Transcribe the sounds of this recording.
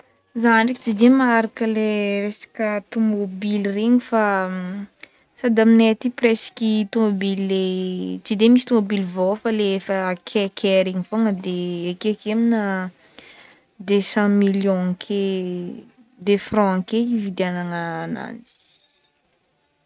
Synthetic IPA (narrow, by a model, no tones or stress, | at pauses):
zanikit͡sid̪emaɾakəleresḁkət̪umobilreɲifa | sad̪aminet̪ipresi̥kit̪omobillet͡sid̪emisit̪umobilvofəleefəkʰekʰeɾiɲifoŋəd̪eekeakemina | d̪esãmiljɔ̃kʰe | d̪efrɔ̃ãkeivid̪anaŋana̰ni̥